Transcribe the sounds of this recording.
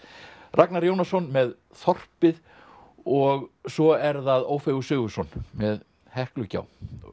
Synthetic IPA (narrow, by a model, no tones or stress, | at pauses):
raknaɾjownasɔnmɛð | θɔr̥pɪð | ɔɣsɔɛɾðaðoːwfeɣʏsʏːɣʏsɔnmɛð | hɛhklʏca̰ːw